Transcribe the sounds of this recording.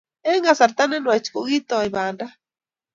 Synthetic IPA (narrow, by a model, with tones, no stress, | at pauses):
e˦ŋɡa˨sa˨ɾt̪a˦ne˦nwe˨t͡ʃku˨ɣi˦t̪o˨ajβaː˨nda˦